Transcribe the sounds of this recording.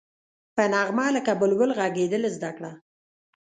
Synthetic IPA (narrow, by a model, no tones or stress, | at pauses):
pənɑɣmɑləkabəlwəlɣaɡed̪əlezd̪akɽa